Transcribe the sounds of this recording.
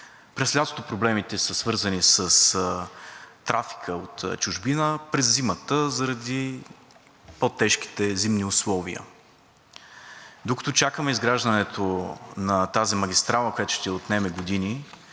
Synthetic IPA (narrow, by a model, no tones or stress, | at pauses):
pɾɛslʲat̪ot̪opɾoblɛmit̪ɛsəsvɤɾzənisəs | t̪ːɾafi̥kʰəot̪t͡ʃʊʒbinəpɾɛzːimət̪əzɐəɾɐd̪i | pot̪ːɛʃk̟i̥t̪ɛzimniʊslˠɔvḭə̰ | d̪okɐ̥t̪ot͡ʃakəmɛizɡɾaʒd̪ənɛt̪ʰonɐt̪azimɐɡʲist̪ɾalˠəkojat̪ʊʃt̪iɛot̪nɛmɛɡod̪ini